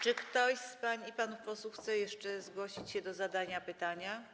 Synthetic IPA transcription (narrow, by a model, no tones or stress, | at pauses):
t͡ʂɘkt̪ɔɕspaɲiipanufpɔswuxt̪sɛjɛʂt͡ʂɛzɡwɔɕit͡ɕɕɛd̪ɔzad̪aɲapɘt̪aɲa